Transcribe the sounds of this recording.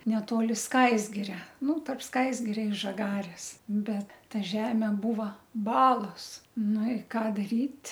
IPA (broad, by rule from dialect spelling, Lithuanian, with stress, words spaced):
nʲɛˈtoːlʲɪ ˈskɐɪzʲɡʲɪrʲɛ ˈnʊ tɐrp ˈskɐɪzʲɡʲɪrʲɛ ɪ ʒɐˈɡɑːrʲeːs ˈbʲɛt ˈtɐ ˈʒʲæːmʲeː ˈbuːʋɐ ˈbɑːlˠoːs ˈnʊ ɪ ˈkɑː dɐˈrʲiːtʲ